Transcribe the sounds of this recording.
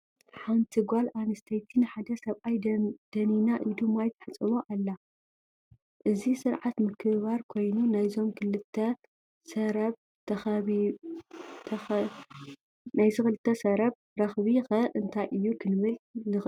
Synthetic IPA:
ħant̪ʰiɡʷalanɐst̪ʰɐjt̪ʰinɨħad̪ɐsɐβʔajd̪̥ɐninaʔɨd̪ɨmːajt̪ʰɐ̥ħɨt͡sʼːɨmoʔalːa | ʔɨzisɨɾʕat̪mɨkʰɨβaɾkʰo̞jnunajzo̞mkʰɨlɨt̪ʰːɐ | sɐɾɐβ | t̪ʰɐxɐβi | t̪ʰɐ | najzɨxɨlɨt̪ʰːɐsɐɾɐβ | ɾɐxβixɐʔɨnt̪ʰajʔɨjːukʰɨnɨβɨlnɨx

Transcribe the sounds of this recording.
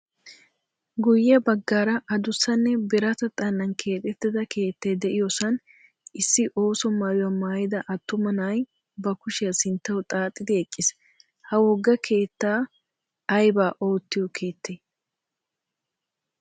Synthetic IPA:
ɡʊjːɐbɐɡːaːɾɐʔɐd̪ʊsːɐnːɛbɛɾɐt̪ɐt̪ʼɐnːɐnkʰe̞ːt̪ʼɛt̪ːɪd̪ɐkʰe̞ːt̪ːɛd̪ɛʔɪjosɐn | ɪsːɪʔo̞ːsɔmaːjʊjɐmaːjɪd̪ɐʔɐt̪ːʊmɐnaːj | bɐkʊʃɪjɐsɪnt̪ːɐwt̪ʼaːt̪ʼːɪd̪ɪɛkʼːɪs | hɐwɔɡːɐkʰe̞ːt̪ːaː | ɐjbaːʔo̞ːt̪ːɪjɔkʰeːt̪ːeː

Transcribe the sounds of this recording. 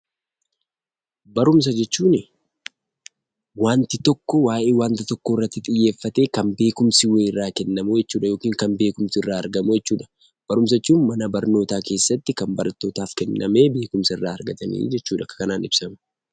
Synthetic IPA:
bɐɾʊms̬ɐd͡ʒɛt͡ʃːuːnɪ | waːnt̪ɪt̪ɔkːɔwaːʔe̞ːwaːnt̪ɪt̪ɔkːoːɪrːɐt̪ːɪt̪ʼɪjːe̞ːfːɐt̪e̞ːkɐnbe̞ːkʊmsɪweːɪrːaːkɛnːɐmud͡ʒɛt͡ʃːuːᶑɐjo̞ːkiːŋkɐnbe̞ːkʊmsɪɪrːaːɐɾɡɐmud͡ʒɛt͡ʃːuːᶑɐ̥ | b̥ɐɾʊms̬ɐt͡ʃːuːnmɐnɐbɐɾno̞ːt̪aːke̞ːsːɐt̪ːɪkɐmbɐɾɐt̪ːo̞ːt̪aːfkɛnːɐme̞ːbe̞ːkʊmsɐɪrːaːɐɾɡɐt̪ɐnḭːd͡ʒɛt͡ʃːuːᶑɐkɐ̥kɐnaːnɪb̥sɐmɐ

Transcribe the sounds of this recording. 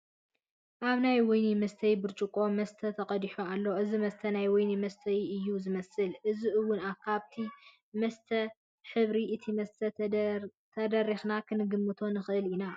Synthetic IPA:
ʔaβnajwɔjnimɐst̪ʰɐjbɨɾt͡ʃʼukʼo̞mɐst̪ʰɐt̪ʰɐqʼɐd̪iħoalːo̞ʔɨzimɐst̪ʰɐnajwɔjnimɐst̪ʰɐjɨjːuzɨmɐsɨlʔɨziʔɨwːʊnakʰaβt̪ʰi | mɐst̪ʰɐ | ħɨβɾiʔɨt̪ʰimɐst̪ʰɐ | t̪ʰɐd̪ɐrixnakʰɨnɨɡɨmːɨt̪ʰo̞nɨxɨʔɨlina

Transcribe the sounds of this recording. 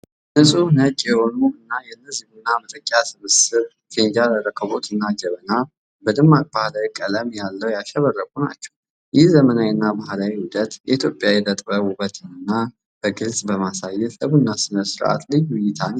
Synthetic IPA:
nɨsʼunət͡ʃʼjɛho̞nuʔɨnːajɛnːəzihunːamət̪ʼəkʼːjasɨmɨsɨβ | kʰɨnd͡ʒaləɾəkʰəβot̪ɨnːad͡ʒɛβəna | bəd̪ɨmːak̚ʼbahlawikʼələmjalːəwjaʃɛβərːəkʼuna̰t͡ʃːɛ̥w | jɪhzəmənawnːabahlawiwʊd̪ət̪jɛ̰it̪ʰjo̞pʼjawɛlət̪ʼbəwubət̪ʰɨnɨnːa | b̥əɡɨlsʼbəmasajːɛt̪səβunːasɨnəsɨɾʔa̰t̪lɨjwʊjːɪt̪ʰan

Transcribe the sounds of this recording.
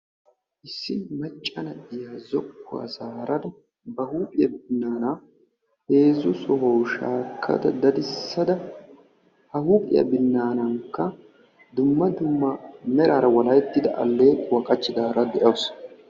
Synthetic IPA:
ʔɪsːɪmɐt͡ʃʼːɐnɐʔɪjazɔkːʊ̰wa̰zaːɾʔɐd̪ɐ | bɐhuːpʼɪjɐbɪnːaːna | he̞ːzʊsɔɦɔwʃa̰ːkʰːɐ̰d̪ɐd̪ɐd̪ɪsːɐd̪ɐ | hɐhuːpʼɪ̰jɐ̰bɪnːaːnɐŋkːɐ | d̪ʊmːɐd̪ʊmːɐmɛɾaːɾɐwɐlɐjt̪ːɪd̪ɐʔɐ̰lːeːwɐkʼɐt͡ʃːɪd̪aːɾɐd̪ɛʔoːs

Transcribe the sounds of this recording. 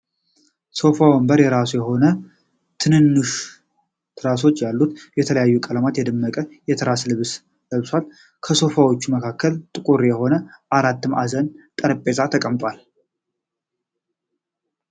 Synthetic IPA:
so̞fawəmbəɾjɛɾasujɛɦo̞nə | t̪ʰɨnɨnːuʃ | t̪ʰɨɾas̬o̞t͡ʃːjalːut̪jɛt̪ʰələjajːukʼəlamat̪jɛd̪ɨmːəkʼəjɛt̪ʰɨɾaslɨβs | ləβswʷal | kʰəso̞fawot͡ʃːuməkʰakːəlt̪ʼɨkʼuɾjɛho̞nəʔaɾat̪ːɨmʔazənt̪ʼəɾpʼːe̞zat̪ʰəkʼəmt̪ʼwal

